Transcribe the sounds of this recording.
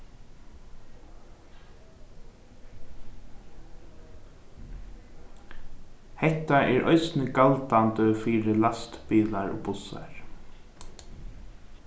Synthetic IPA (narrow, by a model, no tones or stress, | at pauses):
hɛht̪aʔɛɹʔœ̰jsnɪkalt̪ant̪əfiːɾɪlast̪piːlaɹʊ̰ːpʊsa̰ɹ